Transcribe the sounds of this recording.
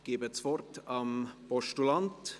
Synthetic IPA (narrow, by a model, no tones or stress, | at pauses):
ɡ̥eːbət͡svɔrtɑmpɔʃtulɑnt